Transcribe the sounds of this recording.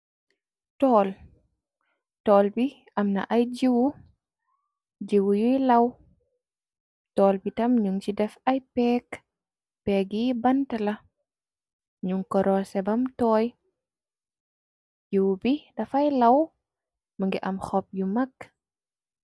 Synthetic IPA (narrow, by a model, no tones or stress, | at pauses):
tɔːl | tɔːlbi | ɐmnɐ̰ʔɐjd͡ʒiwu | d͡ʒiwujujlɐw | tɔːlbitɐmɲuŋt͡ʃidɛfɐjpɛːk | pɛɡibɐntɐlɐ | ɲuŋkɔɾɔsɛbɐmtɔːj | d͡ʒuwbidɐfɐjlɐw | məŋɡɛʔɐmxɔp̚jumɐk̚